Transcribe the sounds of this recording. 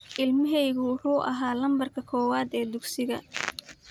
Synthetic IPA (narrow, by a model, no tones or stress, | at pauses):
ʔɪlmɐɦɛjɣʊwʊħuːʔɐ̰ɦaːlɐmbɐrkʰɐkʰɔːwaːd̪ɛːd̪ʊɡsɪɣɐ̰